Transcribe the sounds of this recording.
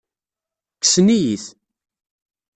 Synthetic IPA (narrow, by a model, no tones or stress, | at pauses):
kːə̥snijiθ